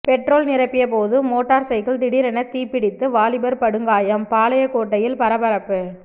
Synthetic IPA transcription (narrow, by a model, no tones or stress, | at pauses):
pɛʈroːlnɪɾɐpːɪjɐpoːðɯmoːʈːaːɾsɐɪkɯɭt̪ɪɽɪɾɐnɐt̪ːiːpːɪɽɪt̪ːɯʋaːlɪbɐɾpɐɽɯŋɡaːjɐmpaːlɐjɐkoːʈːɐjɪlpɐɾɐbɐɾɐpːɯ